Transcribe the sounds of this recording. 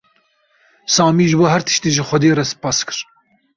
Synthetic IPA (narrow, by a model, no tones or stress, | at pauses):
sɑːmiːʒɨboːɦæɾt̪ʰɨ̥ʃt̪eːʒɨxʷɛd̪eːɾɛsɨ̥pɑːskɨ̥ɾ